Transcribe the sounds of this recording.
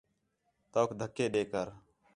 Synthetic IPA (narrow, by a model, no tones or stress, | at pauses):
t̪oːkʰd̪ʱəkːeːɗeːkəɾ